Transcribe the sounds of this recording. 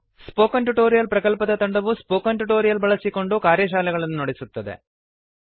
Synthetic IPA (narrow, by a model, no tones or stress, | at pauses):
spoːkɐɳʈuʈo̞ːɾijɐlpɾɐkɐlpɐd̪ɐt̪ɐɳɖɐʋuspoːkɐɳʈuʈoːɾijɐlbɐɭɐsiko̞ɳɖukaːɾjɐʃ̬aːlɛɡɐɭɐnːunoɽisut̪ːɐd̪ḛ